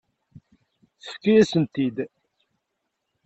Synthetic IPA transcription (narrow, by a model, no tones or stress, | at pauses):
θə̥fkːijæsənt̪id̪